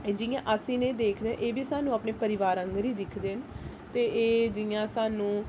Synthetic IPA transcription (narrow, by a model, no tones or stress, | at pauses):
d͡ʒɪjãːʔəsĩːneːd̪eːkʰd̪eːɛ̰̃ʔeːbiːsaːnũːapneːpəɾɪʋaːɾə̃ŋɡɾiːd̪ɪkʰd̪eːn | t̪eːʔeːd͡ʒɪjãːsaːnũː